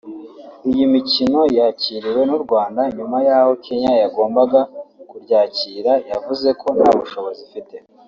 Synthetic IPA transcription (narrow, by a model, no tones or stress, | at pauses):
ijimicino̞jaciːɾiwe̞nuɾɡwaːndaɲumajaːho̞kʰe̞ɲajaɡo̞ːmbaɡakuɾɟaːciːɾajavuze̞kʰo̞nhaːβuʃo̞βo̞zifite̞